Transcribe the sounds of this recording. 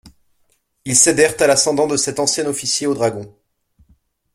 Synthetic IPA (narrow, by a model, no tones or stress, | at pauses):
ilsed̪ɛʁt̪alasɑ̃d̪ɑ̃d̪əsɛt̪ɑ̃sjɛnɔfisjeod̪ʁaɡɔ̃